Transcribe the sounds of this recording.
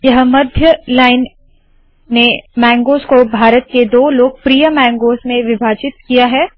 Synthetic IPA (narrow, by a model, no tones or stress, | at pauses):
jɐɦmɐd̪ʱjəlaːɪnː | emɛ̃ːŋɡoːskobʱaːɾət̪̚ked̪oːloːɡ̚pɾijəmɛ̃ːŋɡoːsmẽʋɪbʱaːt͡ʃɪt̪̚kijaɦɛː